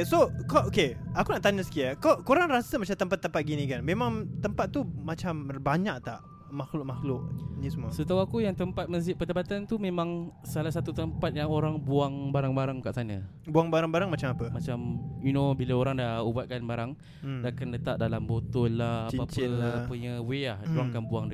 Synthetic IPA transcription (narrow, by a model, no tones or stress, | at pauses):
sokaʔokeakunaʔt̪aɲəsə̥kiakakoɾaŋɾasamat͡ʃamt̪əmpat̪ːəmpat̪̚ɡinĩkanmẽmãŋt̪əmpat̪̚ːumat͡ʃambaɲak̚t̪aʔ | maxlʊʔ̚maxlʊʔnisumuasət̪awakujaŋt̪əmpat̪̚məs̬ɪʔ̚pədapat̪ant̪umẽmãŋsalas̬at̪ut̪əmpat̪̚jaŋoɾaŋbuaŋbaɾaŋbaɾaŋkaʔsana | buaŋbaɾaŋbaɾaŋmat͡ʃamapəmat͡ʃamjunobilaoɾaŋdaubat̪̚kanbaɾaŋ | dakanlət̪aʔ̚dalambot̪ɔlːahaaaapəɲaweahduaŋkanbuaŋd